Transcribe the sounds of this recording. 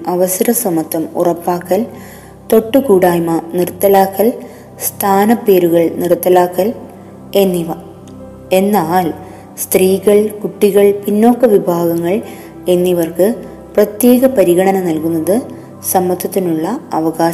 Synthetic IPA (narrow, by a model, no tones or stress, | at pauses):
ɐʋɐsɐɾɐsɐmɐt̪ʰːɐmṵrɐpːaːkːɐl | t̪o̞ʈːɨkuːɽaːjmɐnirt̪ːɐlaːkːɐl | st̪ʰaːnɐpːe̞ːɾuɣɐɭnirt̪ːɐlaːkːɐl | e̞nːiʋɐ | e̞nːaːl | st̪riːɣɐɭkuʈːiɣɐɭpinːo̞ːkːɐʋibʱaːɣɐŋːɐɭ | e̞nːiʋɐrkɨ | prɐt̪je̞ːɣɐpɐɾiɣɐɳɐnɐnɐlkunːɐðɨ | sɐmːɐt̪ʰːɐt̪ːinuɭːɐɐʋɐɣaː